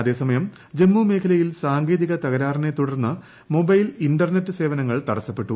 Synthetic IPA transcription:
ɐðe̞ːsɐmɐjɐm | d͡ʑe̞mːume̞ːkʰɐlɐjilsaːŋɡe̞ːðiɣɐt̪ɐɣɐɾaːrine̞t̪ːuɽɐrnːɐ | mo̞bɐjlinɖɐrnetːɨse̞ːʋɐnɐŋːɐɭt̪ɐɽɐsːɐpːe̞ʈːu

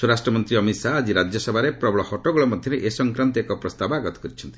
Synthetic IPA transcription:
suɾasʈɾɔmɔnt̪ɾiɔmit̪saːd͡ʒiɾad͡ʒjɔsɔbʱaɾepɾɔbɔɭɔhɔʈɔɡuɭɔmɔd̪ʱjɔɾeʔesɔŋkɾant̪ekɔpɾɔst̪abɔaɡɔt̪ɔ̥kɔɾit͡ʃʰɔnt̪i̥

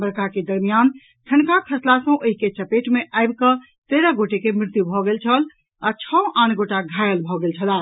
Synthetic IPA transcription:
bəɾkaked̪əɾmijan | ʈʰənkakʰəslasə̃ʔoɦiket͡ʃəpeʈmeʔaɪbkə | t̪eɾəɡoʈekemɾɪt̪jubʱɔɡelt͡ʃʰəl | at͡ʃʰə̃ʔãnɡoʈaɡʱajəlbʱɔɡelt͡ʃʰəla

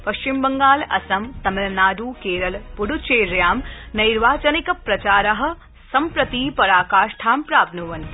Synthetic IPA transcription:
pɐʃt͡ʃimbɐŋɡaːlɐ̰sɐmt̪ɐmɐlɐnaːɖ̪uːkeːɾɐlpuɽut͡ʃeːɾjaːmnɐjɾʋaːt͡ʃɐnikɐpɾɐt͡ʃaːɾɐɦɐ̆ | sɐmpɾɐt̪iːpɐɾaːkaːʃʈʰaːmpɾaːbnuʋɐn

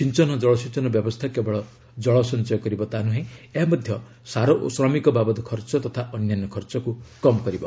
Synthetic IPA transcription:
sint͡ʃɔnɔd͡ʒɔɭɔsint͡ʃɔnɔbjɔbɔst̪ʰakebɔɭɔ | d͡ʒɔɭɔsɔnt͡ʃɔjɔkɔɾibɔt̪anuɦẽeɦamɔd̪ʱjɔ | saɾɔʔsɾɔmikɔbabɔd̪ɔkʰɔɾt͡ʃɔt̪ɔt̪ʰaʔɔnjanːɔkʰɔɾt͡ʃɔkukɔmɔkɔɾibɔ

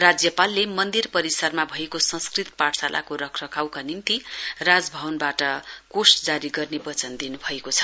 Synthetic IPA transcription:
rad͡zjʌpalːemʌnd̪irpʌɾisʌrmabʱʌekosʌ̃skrit̪paʈsalʔa̰koɾʌkʰrʌkʰawkanint̪irad͡zbʱʌbʌnbaʈʌkosd͡zaɾiɡʌrnebʌt͡sʌnd̪inubʱʌekot͡sʰʌ̥

